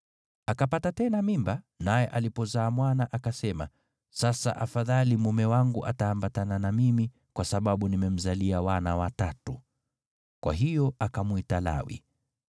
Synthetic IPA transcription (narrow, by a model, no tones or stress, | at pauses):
akapatatɛnamimba | najɛʔalipɔzaːmwanaʔakasɛma̰ | sasa̰ʔafaðalimumɛwaŋɡuʔataːmbatananamimi | kwasaɓaɓunimɛm̩zaliawanawatatu | kwa̰ɦijɔakamwitala̰wḭ